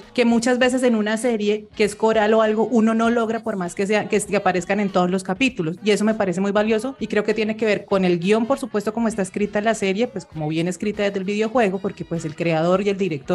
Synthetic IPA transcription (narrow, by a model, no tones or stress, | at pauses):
ke̞mut͡ʃazbe̞s̬e̞s̬e̞nunase̞ɾje̞keesko̞ɾalo̞alɡo̞ʔuno̞no̞lo̞ɣɾapo̞ɾmaskes̬eakeskeapaɾe̞skane̞nt̪o̞ðozlo̞skapit̪ulo̞sie̞so̞me̞paɾe̞s̬e̞mujbaljo̞so̞ikɾe̞oke̞t̪je̞neke̞β̞e̞ɾko̞ne̞lɡjo̞mpo̞ɾsupwe̞st̪o̞ko̞moest̪aeskɾit̪aenlase̞ɾje̞pwesko̞moβje̞ne̞skɾit̪aðezd̪elbiðjo̞xwe̞ɣo̞po̞ɾke̞pwe̞se̞lkɾe̞að̞o̞ɾje̞ld̪iɾek̚t̪oɾ